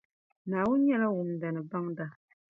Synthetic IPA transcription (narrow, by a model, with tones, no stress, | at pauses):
naː˨wʊ˦n˦ɲɛ˦la˦wʊ˨m˨da˨nɨ˨ba˦ŋda˦